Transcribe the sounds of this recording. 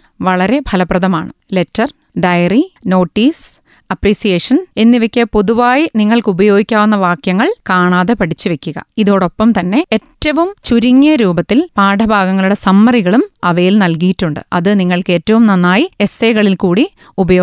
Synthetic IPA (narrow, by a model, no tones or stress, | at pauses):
ʋɐɭɐɾe̞bʱɐlɐprɐðɐmaːɳɨle̞tːɐr | ɖɐjɐrino̞ːʈːiːs | ɐpriːsijeːʂɐne̞nːiʋekʲːɐpoðuʋaːjiniŋːɐɭkɨubɐjo̞ːɡikʲːaːʋunːɐʋaːkjɐŋːɐɭkaːɳaːðepɐɽʰit͡ɕːɨʋe̞kʲːuɣɐ̰iðo̞ːɽo̞pːɐmt̪ɐnːe̞etːɐʋumt͡ɕuɾiŋːɐɾuːbɐt̪ːilpaːɖʰʱɐbʱaːɡɐŋːɐɭuɽesɐmːɐriɣɐɭumɐʋɐjilnɐlkijitːuɳɖɨ̰ʔɐðɨniŋːɐɭke̞ːtːɐʋumnɐnːaːjie̞seːɣɐɭilkuːɽi | ubɐjoː